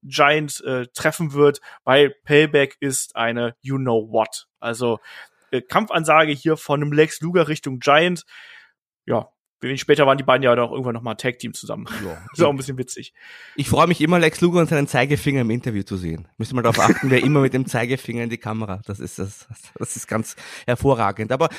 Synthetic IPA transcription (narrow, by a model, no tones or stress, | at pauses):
d͡ʒaɪəntʔɛːtːʁ̥ɛfn̩vɪɐtvaɪlpʰɛlbɛkʰɪstʔa̰ɪnəjuːnoʊvɔtʔalzo | ʔɛːkʰamfʔanzaːɡəhiːɐfɔnəmlɛksluːɡɐʁɪçtʊŋd͡ʒaɪənt | ja̰ː | vɛʃpɛːtɐvaːʁəndiːbaɪdn̩jaanaʊxʔɪ̰ɡŋ̩tvanɔχmaːlntʰɛːk̚tʰiːmt͡suza̰mənjsaʊm̩bɪsçənvɪt͡sɪ̰çʔɪçfʁ̥ɔʏəmɪçʔɪmɐlɛksluːɡɐʊntzaɪnənt͡saɪɡəfɪŋɐɪmʔɪntɐvjuːt͡suzḛːənmʏstəmaldɐʁaʊʔa̰χtn̩vɛɐʔɪmɐmɪt̚d̥eːmt͡saɪɡəfɪŋɐɪndiːkʰaməʁad̥asɪ̰stas | d̥asɪst̚ɡ̥ant͡shɛɐfoːɐʁa̰ːɡŋ̩tʔaːbɐ